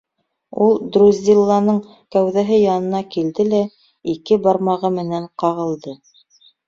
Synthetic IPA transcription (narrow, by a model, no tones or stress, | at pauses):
ulˠd̪ruzʲdʲilˠːɑnɤɴ | kæwðæɦɘjɑnɤ̆nɑkild̪ɘlæ | ikɘbɑɾmɑʁɤmɘ̆næɴqɑʁɤ̆lˠd̪ɤ